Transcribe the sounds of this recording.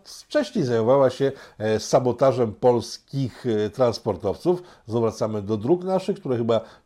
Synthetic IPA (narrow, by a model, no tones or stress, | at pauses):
ft͡ʂɛɕɲejzajmɔvawaɕɛsabɔt̪aʐɛmpɔlskʲixt̪ɾanspɔɾt̪ɔft̪suf | zavɾat̪samɘd̪ɔd̪ɾuknaʂɘxkt̪uɾaxɘba